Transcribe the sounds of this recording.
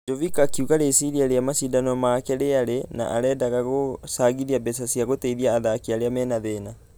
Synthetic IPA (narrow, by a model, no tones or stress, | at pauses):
d͡ʒovikakiuɣaɾesiɾiaɾeamasidanɔmaːkɛɾeaɾena̰ʔaɾɛːdaɣaɣosaɣiðiabɛsasiaɣoteiðiaːðakiaɾeamɛːnaðeːna